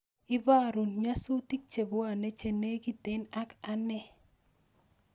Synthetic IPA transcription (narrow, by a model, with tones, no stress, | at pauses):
ɪ˦ba˦˨ɾu˨nɲa˦su˦ti˦k̚t͡ʃe˨bo˦a˨ne˦t͡ʃe˨ne˦ɡi˦˨te˦na˦ka˦nɛ˦˨